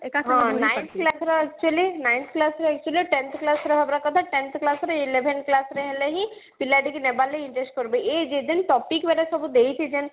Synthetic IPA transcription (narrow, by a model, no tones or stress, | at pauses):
kɦãːnaːɪnt̪ʰklasɾaɛk̚t͡ʃuəlinãɪ̃nt̪ʰklasɾaɛk̚t͡ʃuəliʈẽnt̪ʰklasɾɐɦɐbɾakɐt̪ʰaʈɛ̃nt̪ʰklaːsɾeɪleʋenklasɾeɦɛleɦĩ | pilːaɖikinebaːlːeɪ̃ɳʈɾesʈ̚kəɾbeed͡ʒed̪ɪnʈɔːpikʋeɾesəbud̪eit͡ʃ̪ʰid͡ʒen